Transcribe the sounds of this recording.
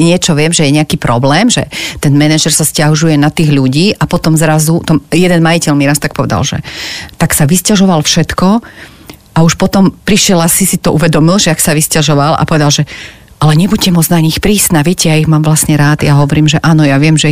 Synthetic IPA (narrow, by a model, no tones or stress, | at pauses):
ɲɪɛt͡ʃɔʋɪɛmʒɛjɛɲɛakiːpɾɔblɛːmʒɛ̰t̪ɛnmɛnɛʒɛɾsascaɦuʒujɛnat̪iːɣʎuɟiːʔapɔt̪ɔmzɾazut̪ɔmjɛd̪ɛnmajicɛlmiɾast̪ak̚pɔʋɛd̪a̰lʒɛ̰t̪aksaʋiscaʒɔʋalfʃɛt̪kɔ | ʔauʃpɔt̪ɔmpɾiʃɪjɛlasisit̪ɔʔuʋɛd̪ɔmilʒɛaksaʋiscaʒɔʋalʔa̰pɔʋɛd̪alʒɛ | ʔalɛɲɛbucɛmɔd͡znaɲixpɾiːsnaːʋɪɛcɛjaiɣmaːmʋlasɲɛɾaːt̪jaɦɔʋɔɾiːmʒɛʔaːnɔjaʋɪɛmʒɛ